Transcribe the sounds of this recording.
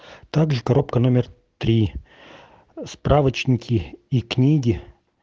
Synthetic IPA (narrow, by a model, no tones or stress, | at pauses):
t̪aɡʐɨkɐɾo̞pkənomʲɪr | t̪ɾʲi | spɾavət͡ɕnʲɪkʲɪiknʲiɡʲɪ